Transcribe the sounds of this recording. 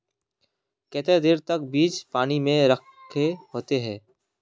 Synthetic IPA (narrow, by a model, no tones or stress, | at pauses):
kɛːt̪ed̪ɪːɾt̪ɐk̚biːt͡ʃpaːnimẽɾəkʰː | eɦoːt̪eɦɛ̃ː